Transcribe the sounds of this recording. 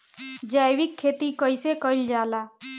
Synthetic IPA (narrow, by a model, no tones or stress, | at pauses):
d͡ʒajwikʰːet̪ikəjsekəɪld͡ʒaːla